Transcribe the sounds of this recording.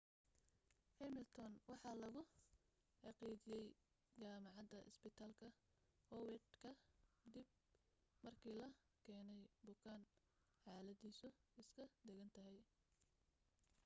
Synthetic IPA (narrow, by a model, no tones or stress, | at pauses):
hɛmɪlt̪ʰɔnwɑħɑːlɐɣʊ | ħɑqiːt͡ʃɪjɛj | t͡ʃaːmɑʕɑd̪ʰɐɪ̰sbɪt̪ʰaːlkʰɐhɔwɛd̪kʰɐd̪ib̚ | mɐrkʰiːlɐ | kʰɛːnɛjbʊkʰaːn | ħɑːlɐd̪iːsʊɪskʰɐd̪ɛɣɐnt̪ʰɐɦɛj